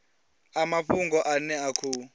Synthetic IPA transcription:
amaɸuŋɡɔʔanɛakʰuː

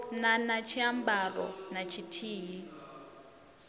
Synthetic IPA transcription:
nanat͡ʃʰiambarɔ̰nat͡ʃʰitʰiːɦi

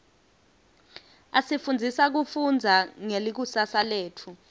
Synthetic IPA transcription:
asifund͡zʱisak̬ufund͡zʱaŋelik̬usasaleːtʰu

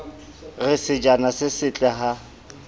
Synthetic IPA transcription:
ɣɪsɪd͡ʒanasɪsɪt͡ɬʼɛɦa

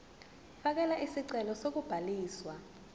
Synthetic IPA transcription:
fak̬ɛlaʔisiǀɛlɔsok̬ub̥ʱaliːswa

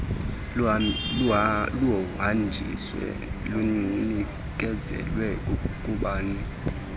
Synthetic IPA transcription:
luɔɦand͡ʒʱḭswɛ̰ | luni | k̬ʼɛzɛ̰lwɛkʼuɓaːni

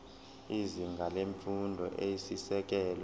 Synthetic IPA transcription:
iziŋɡʱaleɱfundʱɔʔejisisɛk̬ɛːl

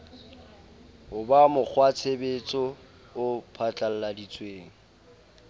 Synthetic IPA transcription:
ʊbamʊk͡xʰwat͡sʰebet͡sʼɔ | ʊpʰat͡ɬʼal̩ladit͡sʼweːŋ̩

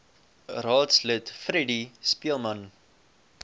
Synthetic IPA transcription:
rɑːtslətfɾɛdispiəlˠmɐn

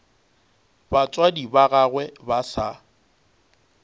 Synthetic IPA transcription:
bat͡sʼwadibaɣaɣwɛbasa

